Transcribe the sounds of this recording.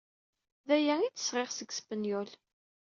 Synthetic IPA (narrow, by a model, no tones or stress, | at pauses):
ðæjæit͡sːə̥sʁeʁsəɡspənjɔl